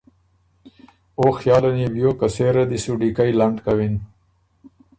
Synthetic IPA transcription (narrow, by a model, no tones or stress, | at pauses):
oxjɑːlanibjoːkaseɾad̪isuɖikajlaɳɖkawin